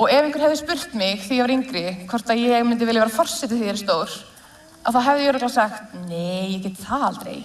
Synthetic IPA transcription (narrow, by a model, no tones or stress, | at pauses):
ɔɣɛvɪŋkʏɾ̥hɛvðɪspʏr̥t̪mɪɣθijɛvaɾiŋkɾɪkʰvɔr̥t̪aðjɛɣmɪnt̪ɪvɪlɪvɛɾafɔr̥sɛt̪ɪθiɛɾɪst̪oːwɾ̥ | aðθaðɦɛvðɪjɛɾɔtlasaxt̪neːjːɛcɛːt̪t̪ʰaːalt̪ɾḛːj